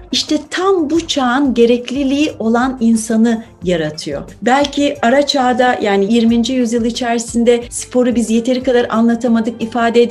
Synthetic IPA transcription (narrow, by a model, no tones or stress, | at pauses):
iʃt̪ʰɛt̪ʰambut͡ʃʰaːnɟe̞ɾɛclʲilʲiːʔo̞lˠaninsanɯ | jaɾat̪ʰɯjo̞̰bælʲcʰiaɾat͡ʃʰaːd̪ajʔaːnijiɾmind͡ʒijyzjɯlˠit͡ʃʰæɾsind̪ɛspʰo̞ɾubizje̞t̪ʰe̞ɾikad̪aɾʔa̰nlˠat̪ʰamad̪ɯkifaːd̪ɛd̪